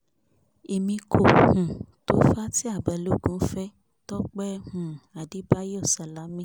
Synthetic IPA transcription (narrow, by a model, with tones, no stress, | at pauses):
e˨mĩ˧kʰo˨hũ˨to˦fa˦ti˦a˦˨ba˨lo˦˨ɡũ˨˦fɛ˦ | tɔ˦k͡pɛ˦hũ˨a˨di˨˦ba˦jo˦˨sa˨la˨˦mĩ˦˨